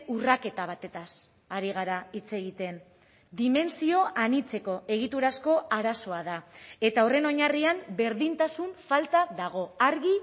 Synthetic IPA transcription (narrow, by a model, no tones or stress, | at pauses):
urake̞t̪aβ̞at̪e̞t̪as | aɾiɣ̞aɾait͡se̞ɣit̪e̞n | d̪ime̞nsio̞ʔanit͡se̞ko̞ʔe̞ɣ̞it̪uɾasko̞aɾaso̞aðae̞t̪aure̞no̞ɲariambe̞ɾðint̪asuɱfalt̪aðaɣ̞o̞aɾɣi